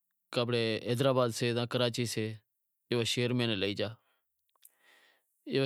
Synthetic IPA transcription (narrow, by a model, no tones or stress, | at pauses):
kaːbɽeːɛːd̪ɾaːbaːd̪seːzãːkəɾaːt͡ʃiːseː | eʋaːʃeːəɾmẽːneləiːd͡ʒaː | eː